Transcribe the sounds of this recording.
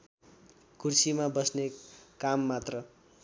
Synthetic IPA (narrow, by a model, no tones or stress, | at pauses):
kursimabʌsnekamːat̪rʌ